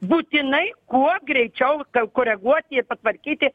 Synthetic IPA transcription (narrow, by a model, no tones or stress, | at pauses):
buːt̪ʲɪnɐɪkuɔɡɾʲɛɪt͡ʃʲɛʊkɐkoːɾʲɛɡuɔt̪ʲɪɪpɐt̪ʋɐɾʲkʲiːt̪ʲɪ